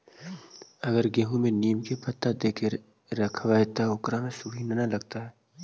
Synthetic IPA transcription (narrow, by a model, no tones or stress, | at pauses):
ɐɡəɾɡẽːɦũmẽniːmkepʰɐt̪ːad̪eːke | ɾɐkʰʋaːjt̪aʊkɾamẽsuːɦinɐnalɐɡ̚t̪aɦɛː